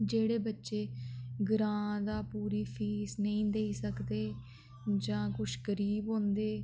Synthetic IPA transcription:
d͡ʒeːɽeːbətːʃeːɡɾãːd̪aːpuːɾiːpʰiːsnəĩːd̪eːiːsəkd̪eː | d͡ʒãːkʊʃkəɾiːbɦõːnd̪eː

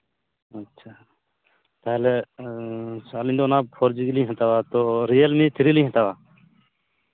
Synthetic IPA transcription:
ətːʃʰaː | pɛːle | saːlĩnd̪oːnaːpʰoɾd͡ʒiɡilĩːɦə̃t̪aːʋaːt̪oːɾijəlmĩːt̪ʰɪɾilĩːɦə̃t̪aːʋaː

